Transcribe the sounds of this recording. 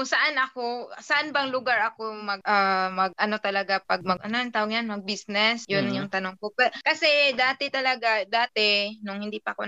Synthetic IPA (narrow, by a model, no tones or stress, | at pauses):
ʊsɐʔanʔɐkosɐʔanbɐŋlʊɡaɹʔɐkomɐɡʔamɐɡ̚ʔɐno̞t̪ɐlɐɡapɐɡ̚mɐɡʔɐnont̪awoɡjanmɐɡ̚bisnɛsjʊnjʊŋt̪ɐnoŋkopɛɾkɐsɛd̪aːt̪ɛt̪ɐlɐɡad̪aːt̪ɛnʊŋhɪnd̪iːpɐko